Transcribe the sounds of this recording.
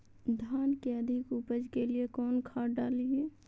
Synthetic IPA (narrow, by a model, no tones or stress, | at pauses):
d̪ʱaːnkeəd̪ʱɪkupəd͡ʒkeliekɔːnkʰaːɖaːliɛ